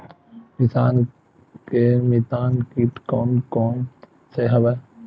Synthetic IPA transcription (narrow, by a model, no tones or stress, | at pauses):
mɪsaːn | keːmit̪aːnkiːʈkoːnkoːn | seɦəʋə